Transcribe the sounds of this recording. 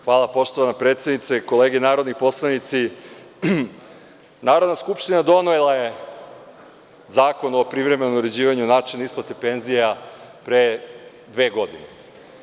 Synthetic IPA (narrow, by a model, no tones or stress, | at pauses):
xʋaːlˠapo̞ʃt̪oʋanapɾet̪sjed̪nit̪seko̞le̞ːɡenaːɾo̞d̪nipo̞slˠanit̪si | naːɾo̞d̪naskupʃt̪inad̪o̞noilˠaje | zaːko̞no̞pɾiʋɾemenomuɾe̞d͡ʑiːʋaɲunaːt͡ʃinisplˠat̪e̞pe̞nzijapɾe | d̪ʋe̞ːɡo̞d̪ine